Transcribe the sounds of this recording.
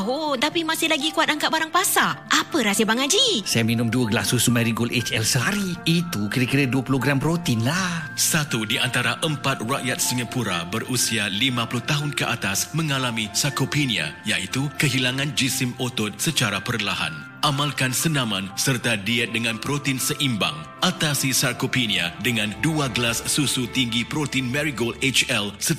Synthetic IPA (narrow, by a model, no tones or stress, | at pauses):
ɦont̪apimãsɪhlaɡikuat̪̚aŋkat̪̚baɾaŋpasaʔapəɾasiabaŋad͡ʒisajaminumduəɡəlasusumaɾiɡolʔet͡ʃɛlsəɦaɾiit̪ukiɾəkiɾəduəpuloɡɾampɾot̪inlahsat̪udiʔant̪aɾaʔəmpat̪̚raʔjat̪̚siŋapuɾa̰bərusialimãpulʊht̪aɦʊnkəʔat̪asmə̃ŋalamĩsarkopenia̰jaʔit̪ukəɦilaŋãnd͡ʒisɪmot̪ɔt̪̚sət͡ʃaɾapərlaɦa̰n | ʔamãlkansənãmãnsərt̪adiɛt̪̚dəŋãnpɾot̪insəʔimba̰ŋ | ʔat̪asisarkopeniadəŋãnduaɡəlasːusut̪iŋɡipɾot̪inmɛ̃ɾiɡolet͡ʃɛlsə